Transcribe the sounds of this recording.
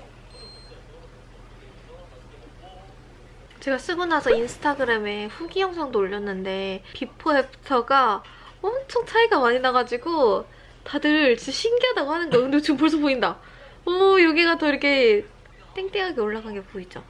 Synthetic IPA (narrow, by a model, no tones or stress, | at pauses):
t͡ɕe̞ɡas͈ɯɡʌnasʰʌinsʰɯ̥tʰaɡɯɾeme̞ɸuɡijʌŋs̬ʰaŋdoːʎːʌnːɯnde̞pipʰoep̚ʰtʰʌɡa | ʌmt͡ɕʰʌŋt͡ɕʰaiɡamaɲinaɡad͡ʑiɡo | tadɯɾt͡ɕiɕʰiŋɡiɦadaɡohanɯnɡʌkɯndeot͡ɕɯmpoɭs̬ʰopoinda | ʌjoɡiɡatʌiɾɯkʰe̞ | t͈eŋt͈eŋɦaɡe̞oɭːaɡanɡe̞poid͡ʑo